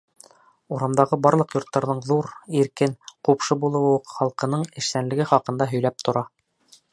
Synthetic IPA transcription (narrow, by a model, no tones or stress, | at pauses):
uɾɑmd̪ɑʁɤbɑɾlˠɤqjŏɾt̪ːɑɾðɤɴðuɾiɾkɘnqupʃɤbulˠɤ̆wɤqχɑlˠqɤ̆nɤɴɘ̆ʃsænlɘ̆ɡɘχɑqɤ̆nd̪ɑɦɵ̆jlæp̚t̪ʰŏɾɑ